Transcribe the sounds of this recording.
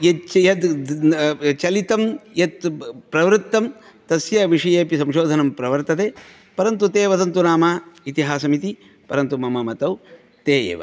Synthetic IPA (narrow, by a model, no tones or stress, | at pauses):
jɐt͡ʃjɐt̪ | t͡ʃɐlit̪ɐmjɐt̪pɾɐʋɾɨt̪ːɐm | t̪ɐsjɐʋiʂɐjeːpisɐmʃoːd̪ʱɐnɐmpɾɐʋɐɾt̪ɐt̪eː | pɐɾɐnt̪ut̪eːʋɐt̪ɐnt̪unaːmaːit̪iɦaːsɐmit̪i | pɐɾɐnt̪umɐmɐmɐt̪ɐw | t̪eːjḛːʋɐ̰